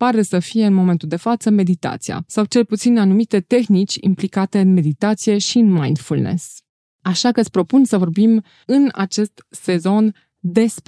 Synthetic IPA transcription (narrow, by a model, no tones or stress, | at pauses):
paɾesəfije̞ɨnmo̞me̞nt̪uld̪e̞fat̪səme̞d̪it̪a̰t̪sija̰sawt͡ʃe̞lput̪sinanumit̪e̞t̪e̞xnit͡ʃʲḭmplikat̪e̞ɨnme̞d̪it̪at̪sije̞ʃiɨnmajnd̪fulnḛs | aʃakət̪sʲpɾo̞punsəvo̞rbim | ɨna̰t͡ʃe̞st̪se̞zo̞n | d̪e̞sp